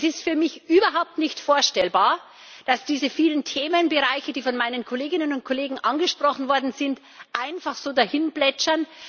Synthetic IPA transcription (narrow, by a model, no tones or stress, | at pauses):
sɪstfyːɐmɪçʔyːbɐɦaʊp̚tnɪçtfoːɐʃtɛlbaːɐ | d̥asd̥iːzəfiːləntʰeːmənbəʁaɪçədiːfɔnmaɪnənkʰoleːɡɪnənʊnt̚kʰoleːɡŋ̩ʔanɡəʃpʁ̥ɔχn̩vɔɐdn̩zɪnt | ʔaɪnfaχz̥oːdahɪnblɛt͡ʃɐn